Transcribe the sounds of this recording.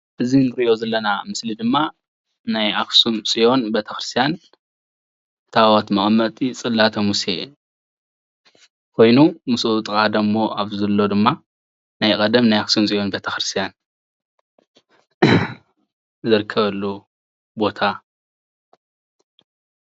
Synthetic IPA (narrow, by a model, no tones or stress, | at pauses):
ʔɨzinɨɾɨʔo̞zɐlːɐnamɨslid̪ɨmːa | najaksumsʼijo̞nbet̪ʰɐxɾɨst̪ʰijan | t̪ʰawot̪mɐχʼmːɐt̪ʼit͡sʼɨlːat̪ʰɐmuse | kʰo̞jnumusut̪ʼkʼad̪ɐmːo̞ʔaβzɐlːo̞d̪ɨmːa | najkʼɐd̪ɐmnajaksumsʼijo̞nbet̪ʰɐxɾɨst̪ʰijan | zɨɾɨkʰːɐβɐlːu | bo̞t̪ʰa